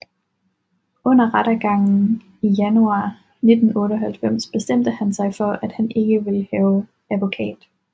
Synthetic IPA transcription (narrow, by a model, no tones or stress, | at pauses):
ɔ̽n̰ɐʁaɾ̥æɡ̥ɑ̈ŋ̰n̩ | ijænuɑ̈ː | ne̝d̥n̩ɔ̽ːɾəɒɦælfem̰sb̥e̝sd̥em̰d̥əhænsɑ̈ɪfɒ̽ʔæd̥hæne̝ɡ̥əʋe̝lhɛːʊ | æʋo̝kʰɛ̰ːd̥